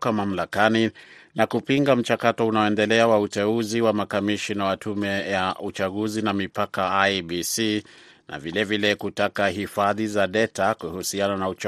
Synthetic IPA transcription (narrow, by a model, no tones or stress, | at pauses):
kamam̩lakani | nakupiŋɡam̩t͡ʃakatɔunaɔɛndɛlɛawautɛuziwamakamiʃinawatumɛjaut͡ʃaɠuzinamipakaabisi | na̰vilɛvilɛkutakaɦifaðizaɗɛtakuhusiananaut͡ʃ